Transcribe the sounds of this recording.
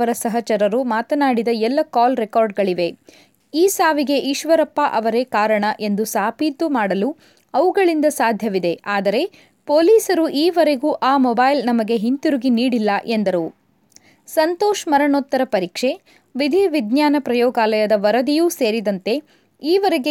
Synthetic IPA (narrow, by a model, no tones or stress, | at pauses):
ɐɾɐsɐɦɐt͡ʃɐɾɐɾumaːt̪ɐnaːɽid̪ɐɛlːɐkaːlɾekaːɾɖɡɐɭiʋe̞ | iːsaːʋiɡe̞ʔiːʃʋɐɾɐpːaʔɐʋɐɾeːkaːɾɐɳɐʔe̞nd̪usaːpiːt̪umaːɽɐlu | ɐʋuɡɐɭind̪ɐsaːd̪ʱjɐʋid̪e̞aːd̪ɐɾe̞ | poːliːsɐɾuʔiːʋɐɾe̞ɡuːʔaːmɔbaːjlnɐmɐɡe̞ɦint̪uɾuɡiniːɽilːɐʔe̞nd̪ɐɾu | sɐnt̪oːʃmɐɾɐɳɔt̪ːɐɾɐpɐɾiːkʂe̞ | ʋid̪ʱiʋid̪njaːnɐpɾɐjɔːɡaːlɐjɐd̪ɐʋɐɾɐd̪ijuːse̞ːɾid̪ɐnt̪e̞ | iːʋɐɾe̞ɡe